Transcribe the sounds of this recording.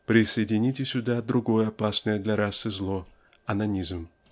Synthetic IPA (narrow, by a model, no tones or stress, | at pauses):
pɾʲɪsəjɪdʲɪnʲitʲɪsʲʊd̪ad̪ɾʊɡo̞jəɐpasnəjəd̪lʲɐɾasːɨzlˠo | ɐnɐnʲizm